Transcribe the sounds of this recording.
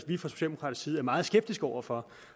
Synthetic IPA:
ʋifɒ̽so̝ɕɛ̰ld̥emo̥kʰʁɑ̰̈d̥̩ˠsiːð̞̩ˠæɐmɑ̈ːð̩ˠsɡ̥eb̥̚d̥isɡ̥ɒʊ̰ɐfɒ̽

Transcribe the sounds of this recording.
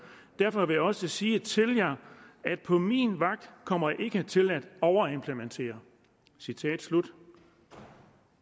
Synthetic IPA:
d̥æɐfɒ̽ʋe̝jaɒ̽səsiːət͡sʰe̝ljɑ̈æd̥̚pʰɒ̽minʋɑ̈ɡ̥̚d̥kʰɒ̽m̰ɐjɑ̈ʔe̝ɡ̥ət͡sʰe̝læd̥ɒʊɐe̝mpʰlement͡sʰe̝̰ːɐ | sit͡sʰɛ̰ːd̥slud̥

